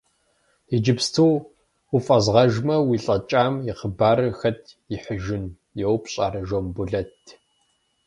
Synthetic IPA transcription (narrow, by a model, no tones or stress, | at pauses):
id͡ʒɪpstʰuː | ufʼɐzʁɐʒmɐwiɬʼɐt͡ʃʼaːmjɪqəbaːɾɨxɐtʰjɪħəʒɪn | jɛwpɕʼa̰ːɾɐʒombʊɮɐtʰ